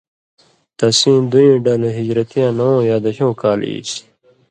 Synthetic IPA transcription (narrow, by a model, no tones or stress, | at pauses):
t̪ɐsĩːd̪uĩːɖaːleɦid͡ʑɾɐt̪ijãːnɐwõːjaːd̪ɐɕõːkaːlḭɕ